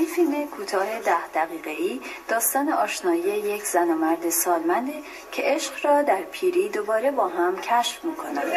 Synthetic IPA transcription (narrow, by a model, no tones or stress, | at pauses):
infilme̞kʰuːt̪ʰɒːɦe̞d̪æhd̪̥æɣiːɣe̞iːd̪̥ɒːst̪ɒːne̞ʔɒːʃnɒːijeje̞cʰz̥ænoːmæɾd̪esɒːlmænd̪e | cʰe̞ʔeʃɢɾɒːd̪æɾpʰiːɾiːd̪o̞bɒːɾe̞bɒːɦæmcʰæʃfmiːkʰo̞næm